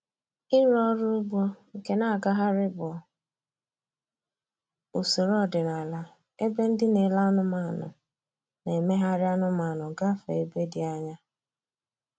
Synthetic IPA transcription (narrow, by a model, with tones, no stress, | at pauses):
ɪ˦ɾɔ˦ɾʊ˦ʊ˦bɔ˦ŋ̩˨ke˨na˦a˨ɡa˦ɦa˦ɾɪ˦bɔ˨ | u˨si˨ɾɔ˦˨dɪ˨na˨la˦ | e˦be˦n̩˦dɪ˦ne˨la˦nʊ˦ma˨nʊ̰˨ | ne˨me˦ɦa˦ɾɪ˦a˦nʊ˦ma˨nʊ˨ɡa˦fe˨e˨be˦dɪ˨a˦ɲa˦